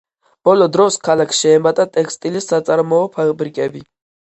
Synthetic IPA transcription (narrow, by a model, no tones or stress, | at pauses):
b̥ɔlɔd̪ɾɔskʰalakʰʃɛːmat̪ʼat̪ʼɛkʰst̪ʼilisːat̪sʼaɾmɔːpʰabɾikʼɛbi